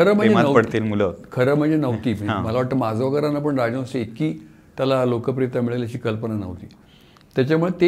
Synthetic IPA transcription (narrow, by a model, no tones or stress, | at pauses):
kʰəɾəːm̤əɳed͡zemaəpəɽt̪iːlmuləkʰəɾəm̤əɳd͡zenəʋt̪i̤ːəãməlaʋaʈ̚t̪əmad͡zʱʋəɡəɾanap̬əɳɾad͡ʑə̃əseekiː | t̪jalalokəp̬ɾijət̪amiɭəljat͡ɕiːkəlpənanə̰ʋt̪ḭː | t̪jat͡ɕamuɭet̪e